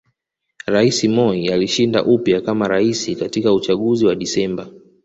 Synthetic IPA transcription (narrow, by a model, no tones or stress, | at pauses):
ɾaisimɔialiʃinda̰ʔupjakamaɾaisikatikaut͡ʃaɠuziwaɗisɛmba